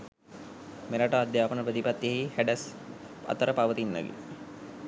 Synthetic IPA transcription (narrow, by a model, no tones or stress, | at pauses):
meɾaʈəad̪jaːpənəpɾət̪ipat̪ːjeɦihæɖæs | a̰t̪əɾəpaʋət̪inːə̰ɡḛ